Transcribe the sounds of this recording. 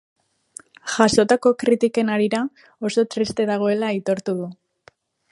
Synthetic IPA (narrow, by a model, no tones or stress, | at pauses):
ʝaso̞t̪ako̞kɾit̪ike̞naɾiɾa | o̞so̞t̪ɾist̪e̞ðaɣ̞o̞e̞lait̪o̞ɾt̪uð̞u